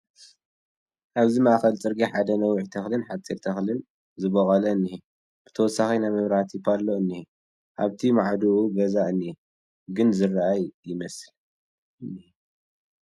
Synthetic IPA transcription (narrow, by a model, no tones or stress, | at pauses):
ʔaβzimɐʔaxɐlt͡sʼɨɾɡiħad̪ɐnɐwiʕt̪ʰɐxlɨnħat͡sʼiɾt̪ʰɐxlɨn | zɨβɐkʼɐlɐɨnːi | b̥ɨt̪ʰɐwɔsːaxinajmɐβɾaht̪ʰipʰalːoɨnːi | ʔaβt̪ʰimaʕd̪uʔubɐzaʔɨnːi | ɡɨnzɨraʔajːɪmɐsɨl